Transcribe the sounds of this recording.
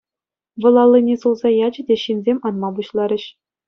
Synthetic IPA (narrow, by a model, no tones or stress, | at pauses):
ʋɤ̆lˠɑlʲˠːɤnʲesulˠzɑjɑd͡ʑɘ̆dʲeɕinʲzʲemʲɑnmɑbuɕlˠɑɾʲɘ̆ɕ